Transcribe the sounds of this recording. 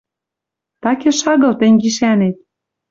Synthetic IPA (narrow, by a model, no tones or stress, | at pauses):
t̪ɑkĕʃɑɣɤ̆lt̪ĕŋɡiʃænet̪̚